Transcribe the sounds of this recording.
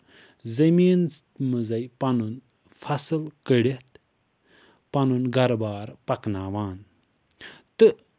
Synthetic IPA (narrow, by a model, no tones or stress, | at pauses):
zɐmiːn | mɨzɐjpɐnun | fʰɐsɨlkəɽet̪̚ | pɐnunɡɐɾbaːɾpɐknaːʋaːn | t̪ɨ